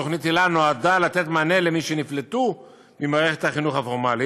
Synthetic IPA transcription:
oχnit̪elanoadalat̪e̞t̪mane̞le̞miʃeniflet̪u | mimaːʁe̞χet̪haχinuχhafoʁmali

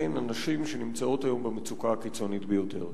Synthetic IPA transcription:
jnanaʃimʃenimt͡sao̞tajo̞mbemet͡sukakit͡so̞nit̪bejo̞te̞̰ʁ

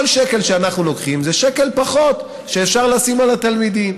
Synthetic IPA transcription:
lʃeke̞lʃeanaχnulo̞kχimzeʃeke̞lpaχo̞t̪ | ʃeːfʃaʁlasimalat̪almid̪im

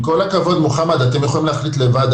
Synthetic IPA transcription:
ko̞lakavo̞d̪muχamad̪at̪e̞mjeχolimleːχlit̪le̞vad̪

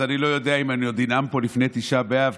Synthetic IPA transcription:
anilo̞jo̞d̪eaimanijod̪inampo̞lifne̞t̪iʃabeav

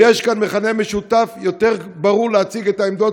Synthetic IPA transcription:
jeʃkanmeχanemeʃutafjot̪eʁbaʁuʁleat͡siɡet̪aemd̪o

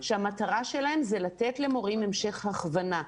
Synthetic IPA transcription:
ʃeamat̪aʁaʃelahe̞mzelat̪etle̞mo̞ʁimemʃe̞χhaχvana

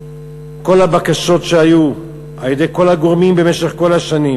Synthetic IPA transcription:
ko̞labakaʃo̞tʃeaju | ʔaljede̞jko̞laɡoʁmimbe̞me̞ʃeχko̞laʃanim

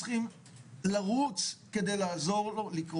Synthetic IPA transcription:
χim | laʁut͡ske̞d̪e̞jlaːzo̞ʁolikʁ

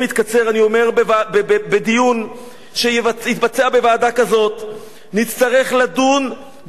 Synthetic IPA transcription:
mit̪kat͡se̞ʁanio̞me̞ʁbevabbed̪ijun | ʃehit̪bat͡seabe̞vaːdakazo̞t̪ | nit͡st̪aʁe̞χladun

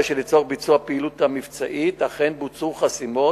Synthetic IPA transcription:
ʃelit͡soʁbit͡suapeːlut̪hamivt͡saʔit̪aχenbut͡suχasimo

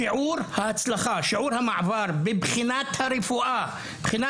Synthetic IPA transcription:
iʕuːɾhaʔat͡slaχaʃiʕuːɾhamaʕvaɾˤbibχinat̪haɾefuʔa | bχina

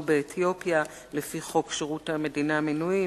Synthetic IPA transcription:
beːt̪ʰjo̞pja | le̞fiχo̞kʃeʁuthame̞dinaminui

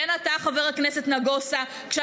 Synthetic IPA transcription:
enataχaveʁaknese̞tnaɡosa | kʃe

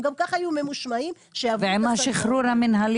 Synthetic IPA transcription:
ɡamkaχajumemuʃmaim | ʃeavveʕemaʃiχɾuɾaminɦal

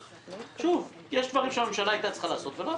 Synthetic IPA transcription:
ʃuːv | jɛʃt̪vaʁimʃalimʃalajt̪at͡sχalaːsot̪vela

